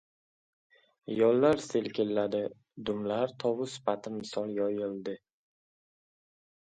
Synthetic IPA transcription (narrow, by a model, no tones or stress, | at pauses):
jɒlˠːaɾselkʲʰɪlːad̪ɪ | d̪ʊmlaɾt̪ʰɒwʊsɪ̥fat̪ʰɪnmɪsɒlˠjɒjɪlˠd̪ɪ